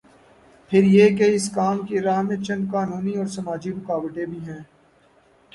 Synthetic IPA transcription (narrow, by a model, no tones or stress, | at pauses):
pʰɪɾjek̬eɪskaːmkeɾaːɦmẽt͡ʃɐ̃nd̪̚kaːnuːniɔːɾsɐmaːd͡ʒiɾʊkaːʋəʈ̪ẽbʱiɦɛ̃ː